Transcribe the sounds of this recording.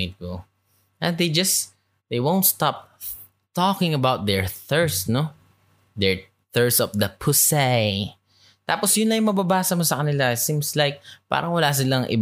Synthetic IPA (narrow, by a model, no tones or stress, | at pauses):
ko | ʔɛ̃nd̪ejd͡ʒɐs | d̪̥ejwõw̃nt̪st̪ap̚ | t̪ɔkɪ̃ŋɐbawt̪̚d̪ɛɹθɛɹsno | d̪ɛɹ | θɛɹsɔfd̪ɐpʰʊsɛj | t̪aːposjʊnlɐjʊŋmɐbabaːsɐmosɐkɐnɪlaɛt̪sĩmslajk̚pa̰ːɾʔɐŋwɐlas̬ɪlaŋʔɪ̰